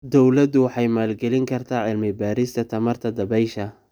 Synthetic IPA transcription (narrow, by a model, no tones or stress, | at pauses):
d̪ɔwlɐd̪ʊwɑħɑjmaːlɡɛlɪŋkʰɐrt̪ʰaːʕɪlmɪbaːɾɪst̪ʰɐt̪ʰɐmɐrt̪ʰɐd̪ɐbɛjʃɐ